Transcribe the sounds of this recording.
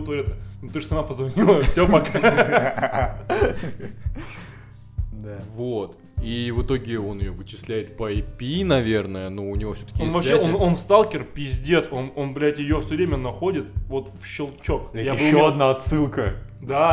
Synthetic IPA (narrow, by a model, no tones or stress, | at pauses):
t̪vɐɾʲɛt̪ənʊt̪ɨʐsɐmapəzvɐnʲilˠəfsʲopɐk | vot̪ | ivɨt̪o̞ɡʲɪo̞nɪjovɨt͡ɕɪsʲlʲæjɪt̪pəɐpʲinɐvʲe̞rnəjənuʊnʲɪvofsʲɵt̪ə̥kʲɪenvɐeonno̞nst̪alˠkʲɪrpʲɪzʲdʲe̞t̪so̞no̞nblʲætʲjɪjofsʲɵvɾʲemʲənɐxodʲɪt̪vo̞t̪fɕɪlˠt͡ɕokjaɨːoɐd̪naɐt̪sɨlˠkə | d̪a